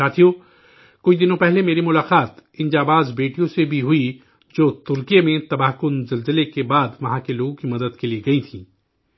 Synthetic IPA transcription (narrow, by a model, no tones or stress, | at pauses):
aːt̪ʰijoː | kʊt͡ʃʰd̪ɪnõpɛɦlemeːɾimʊlaːqaːt̪ɪ̃nd͡ʒaːbaːzbeːʈijõsebʱiɦʊi | d͡ʒoːt̪ʊɾkijemẽt̪ɐbaːɦkʊnzɐlzəlekebaːd̪ʋɐɦãkeloːɡõkimɐd̪əd̪kelieɡɐit̪ʰĩː